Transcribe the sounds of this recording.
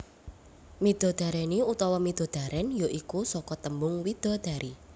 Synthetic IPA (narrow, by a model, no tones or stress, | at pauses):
mid̪̥ɔ̤d̪̥a̤ɾɛniut̪ɔwɔmid̪̥ɔ̤d̪̥a̤ɾʔɛnjoʔikusɔkɔt̪əmbʊŋwid̪̥ɔ̤d̪̥a̤ɾʔi